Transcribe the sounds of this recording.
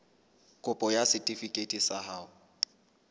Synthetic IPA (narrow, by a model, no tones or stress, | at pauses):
kʼʊpʼɔjasɪtʼifikʼetʼisaɦaːʊ